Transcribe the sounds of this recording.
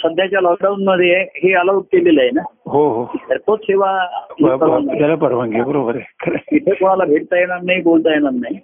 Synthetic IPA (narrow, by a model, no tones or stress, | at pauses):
səd̪ʱjat͡ɕjalɔk̚ɖaunməd̪ʱijeɦeələuʈ̚keleləɦenaɦoɦoeɾpoɾʈɕeʋaipəɾant̪jalapəɾʋãŋɡebəɾobəɾekʰəɾeit̪ʰekoɽ̃alabʱeʈ̚t̪ajeɽ̃aɾnaibolt̪ajeɽaɾnai